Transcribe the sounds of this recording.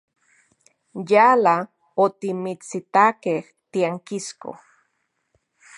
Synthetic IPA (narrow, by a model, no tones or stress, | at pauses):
jala | ot̪imit͡sit̪akeht̪iaŋkisko̰